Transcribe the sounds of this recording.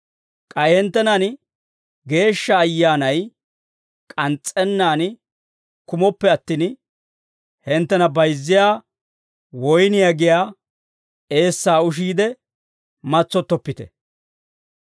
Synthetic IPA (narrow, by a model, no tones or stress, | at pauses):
kʼɐjhɛnt̪ːɛnɐn | ɡe̞ːʃːɐːjːaːnɐj | kʼɐnt͡sʼːɛnːaːn | kʊmɔpːɛɐt̪ːiːn | hɛnt̪ːɛnɐbɐjzːɪjaː | wɔjnɪjaɡɪjaː | e̞ːsːaːʊʃ̬iːd̪ɛ | mɐt͡sːɔt̪ːɔpːɪt̪ɛ̰